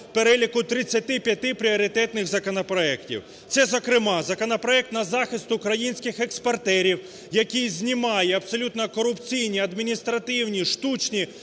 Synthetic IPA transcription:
peɾɛlʲikʊt̪ɾɪt͡sʲːɐt̪ɪpʲjɐt̪ɪpɾʲiɔɾʲɪt̪ɛt̪nɪxzɐkɔnɐpɾɔɛktʲḭw | t̪sɛzɐkɾɪmɑzɐkɔnɐpɾɔɛk̚t̪nɐzɑxɪst̪ʊːkɾɐjinʲsʲkɪxekspɐrt̪ɛɾʲiw | jɐkʲizʲnʲimɑjɛɐbsɔlʲut̪nɔkɔɾʊpt͡sʲijnʲiɐd̪mʲinʲist̪ɾɐt̪ɪwnʲiʃt̪ut͡ʃnʲi

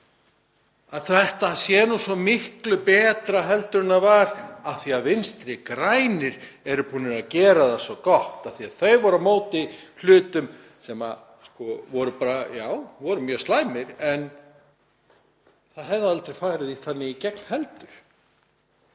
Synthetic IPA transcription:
aðθɛht̪asjɛnusvɔmɪhklʏpɛːt̪ɾaɦɛlt̪ʏɾɪnavaɾaθiaðvɪnst̪ɾɪkɾajnɪɾ̥ɛɾʏpuːnɪɾaðcɛːɾaðasvɔkɔht̪aθiaðθœɥvɔɾamoːwt̪ɪl̥ʏːt̪ʏm | sɛma̰ | skɔvɔɾʏpaːɾajaːwvɔɾʏmjœːst̪laːjmɪɾɛn | θaðɦɛvðaalt̪ɾefaːjɾɪðiθanːɪicɛkn̥hɛlt̪ʏɾ̥

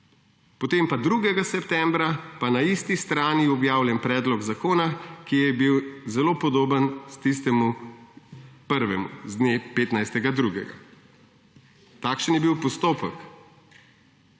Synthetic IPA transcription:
pɔt̪empad̪ɾuɡɛɡasɛpt̪ɛmbɾapanaist̪ist̪ɾaːniɔbjaːwljɛnpɾɛːd̪lɔɡzakoːnakijɛbiwzɛloːpɔd̪oːbənst̪ist̪ɛmu | pəɾʋɛmṵzd̪nepeːt̪najst̪ɛɡad̪ɾuɡɛ̰ɡa̰ | t̪akʃənjɛbiwpɔst̪oːpək

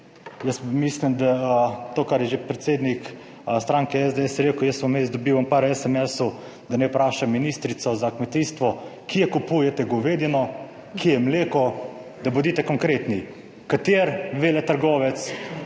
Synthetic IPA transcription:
jəsmislimd̪at̪oːkaɾjɛʒepɾɛt̪seːd̪nik | st̪ɾaːŋkɛɛzd̪eɛsɾeːkʊjɛsmɔmezd̪ɔbiːʋɐmpaɾɛsɛmɛsu | d̪anɛpɾaːʃamːiniːst̪ɾit̪sɔzakmɛt̪iːst̪ʋɔkijɛkupujɛt̪ɛɡɔʋeːd̪jɛnɔ | kijɛmleːkɔ | d̪abʊd̪iːt̪ɛkɔŋkɾeːt̪ni | kat̪eːɾʋeːlɛt̪ɐɾɡɔːʋɛt̪s

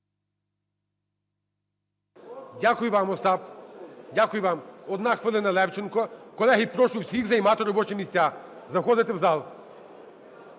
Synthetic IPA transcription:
dʲakʊjʊʋɑmɔst̪ɑpdʲakʊjʊʋɑmɔd̪nɑxʋelˠɪnɐlˠɛwt͡ʃɪnkɔkɔlˠɛɦipɾɔʃʊwsʲiɣzɐjmɑt̪ɪɾɔbɔt͡ʃɛmʲisʲt͡sʲa | zɐxɔd̪ɪt̪ɪwzɑlˠ

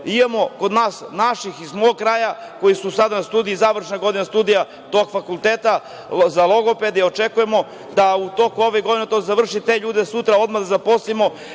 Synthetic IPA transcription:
imamo̞ko̞d̪naːsnaʃixizmoɡ̚kɾaːja | ko̞jisusad̪anast̪uːd̪ijizaʋr̩ʃnaɡo̞d̪inast̪uːd̪ija | t̪o̞ɡfakulˠt̪eːt̪a | zalo̞ɡo̞pe̞d̪eio̞t͡ʃekujemo̞ | d̪aut̪o̞kuo̞ʋeɡo̞d̪inet̪od̪zaʋr̩ʃit̪e̞ʎuːd̪esut̪ɾao̞d̪mad̪azapo̞slimo̞

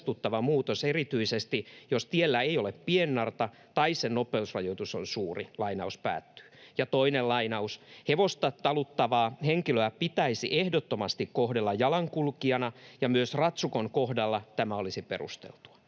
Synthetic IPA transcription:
t̪ut̪ːɑʋɑmuːt̪oserit̪yisest̪ijost̪ielːæeioleppienːɑrt̪ɑ | t̪ɑissennopeusrɑjoit̪usonsuːrilɑinɑuspæ̰ːt̪ːy̥ːjɑt̪oinellɑinɑusheʋost̪ɑt̪ɑlut̪ːɑʋɑːheŋkiløæpit̪æisiʔehdot̪ːomɑst̪ikkohdelːɑjɑlɑŋkulkiɑnɑjɑmyøsrɑt̪sukoŋkohdɑlːɑt̪æmæolisipḛrṵst̪ḛlt̪u̥ɑ̥

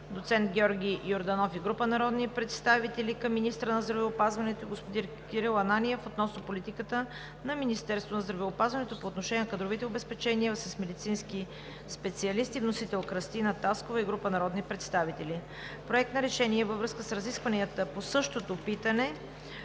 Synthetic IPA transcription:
d̪ot̪sɛnt̪ɡʲɔɾɡʲijoɾd̪ɐnɔfiɡɾupənɐɾɔd̪nipɾɛt̪st̪avit̪ɛlikɐmːinist̪ɾənɐzd̪ɾɐvɛopazvɐnɛt̪oiɡospod̪iɾ | kʲiɾilˠɐnaniɛfot̪nɔsnopolit̪ikət̪ə | nɐminist̪ɛɾst̪vonɐzd̪ɾɐvɛopazvɐnɛt̪opoːt̪noʃɛnʲiɛnɐkəd̪ɾovit̪ɛobɛspɛt͡ʃɛniəsəsmɛd̪it̪sinski | spɛt̪siɐlist̪ivnosit̪ɛlˠkɾɐst̪inət̪askovɐiɡɾupənɐɾɔd̪nipɾɛt̪st̪avit̪ɛli | pɾoɛk̚t̪nɐɾɛʃɛniɛvəvɾɤskəsɾɐziskvəniət̪əposɤʃt̪ot̪opit̪ənɛ

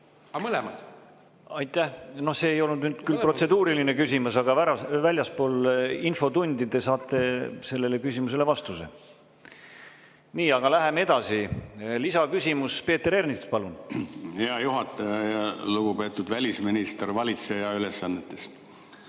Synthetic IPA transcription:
ɑmɤlɛmɑd̪̥ | ɑjt̪ːˑæhno̞hse̞ːjo̞lnud̪nyːd̪̥kylpro̞t̪se̞d̪uːɾiline̞kysʲimusɑɡ̥ɑvæɾɑvælʲjɑspo̞ːlinfo̞t̪unʲd̪̥id̪̥e̞sɑːt̪ːˑe̞se̞lːe̞le̞kysʲimus̬e̞le̞vɑst̪use̞̰ | niːɑɡ̥ɑlæɦe̞mee̞d̪̥ɑsilisɑkysʲimuspe̞ːt̪ːe̞ɾe̞rnispɑlunheɑjuɦɑt̪ːˑɑjɑjɑluɡ̥upe̞ːt̪ːˑud̪vælʲisminist̪rvɑlʲit̪se̞jɑylesːɑnːet̪ːˑes

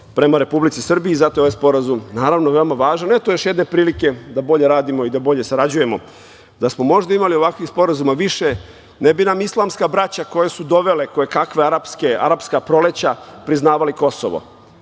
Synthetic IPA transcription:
pɾe̞maɾe̞publit̪sisr̩biːzat̪ojoajspo̞ɾazumnaːɾaʋnoʋe̞omaʋaːʒanet̪ojo̞ʃje̞d̪ne̞pɾiːlike̞d̪abo̞ʎe̞ɾaːd̪imo̞id̪abo̞ʎe̞saɾad͡ʑuje̞mo̞ | d̪asmo̞mo̞ʒd̪aimalio̞ʋakʋixspo̞ɾazumaʋiʃe | nebinamislˠamskabɾat͡ɕako̞jesud̪o̞ʋe̞le̞kojekakʋeaɾapskea̰ɾapskapɾo̞let͡ɕapɾiznaːʋaliko̞so̰ʋo̰

